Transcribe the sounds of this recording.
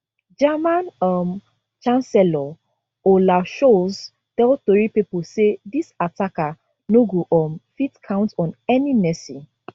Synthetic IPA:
d͡ʒamãnɔm | t͡ʃãnsɛlɔ | olaʃoz | tɛltoɹipiposedisataka | noɡoʔɔmfitkʰãʊ̃ntɔ̃nɛninɛsĩ

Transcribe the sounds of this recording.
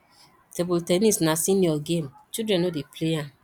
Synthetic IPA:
tebultɛnisnasĩnjɔɡemt͡ʃidɹɛ̃nodepleãn

